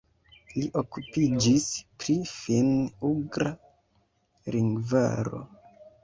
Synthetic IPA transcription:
liʔokupid͡ʒispɾifinuɡɾa | ɾiŋɡva̰ɾo̞̰

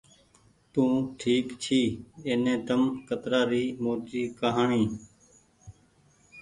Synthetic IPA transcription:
t̪ũːʈʰiːkt͡ʃʰiːeːnẽːt̪əmkət̪ɾaːɾiːmoːt͡ʃiːkəɦaːɳĩː

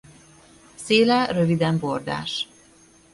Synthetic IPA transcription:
seːlɛrøvid̪ɛmbord̪a̰ːʃ

